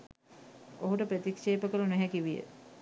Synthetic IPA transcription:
oɦuʈəpɾət̪ikʂeːpəkəlunæɦækiʋijə̰

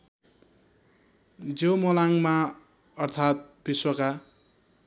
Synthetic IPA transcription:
d͡zomʌlaŋma | ʌrt̪ʰat̪̚biswʌka

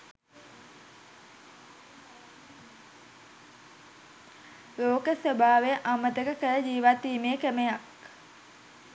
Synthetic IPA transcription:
loːkəsʋəbʱaːʋejəʔamət̪əkəkəɾəd͡ʒiːʋat̪ːiːmeəkemejak

